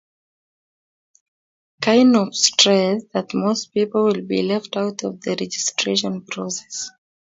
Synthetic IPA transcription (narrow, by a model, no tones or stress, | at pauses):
kʰãɪ̃ndɔvstɹɛsðətmospipəl̩ˠwɪlˠbḭlɛftaʊtʰɔvðəɹɛd͡ʒɪstɹeʃɔ̃npʰɹɔsɛ̥s